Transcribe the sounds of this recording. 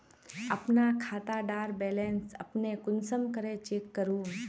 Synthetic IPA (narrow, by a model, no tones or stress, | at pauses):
əpnakʰaːt̪aɖaːɾbɛːlensə̰pnekʊnsəmkəɾet͡ʃekːəɾuːn